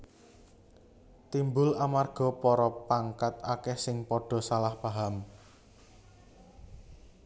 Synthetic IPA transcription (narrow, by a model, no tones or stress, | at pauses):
t̪imbʊlamarɡ̥ɔ̤pɔɾɔpaŋkat̪akɛhsɪŋpɔɖ̥ɔ̤salahpaɦam